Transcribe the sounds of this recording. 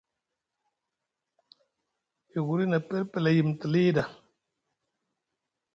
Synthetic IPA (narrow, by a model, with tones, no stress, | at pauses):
i˨ɣu˨ɾi˦na˨pe˦ɾpe˨la˨ji˨m˨tə˨li˦da˨